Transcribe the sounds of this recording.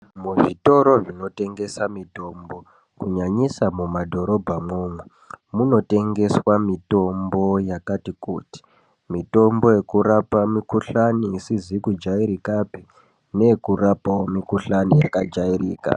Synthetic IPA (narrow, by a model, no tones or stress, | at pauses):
muʐito̞ɾo̞ʐino̞te̞ŋɡe̞samito̞mbo̞ | kuɲaɲisamumadʱo̞ɾo̞bʱamoːmwe | muno̞te̞ŋɡe̞swamito̞mbo̞jakatikṵːti̥ | mito̞mbo̞je̞kuɾapamikuɬaniːsizikud͡ʒaiɾikapi | ne̞kurapaomikuɬanijakad͡ʒairḭːka̰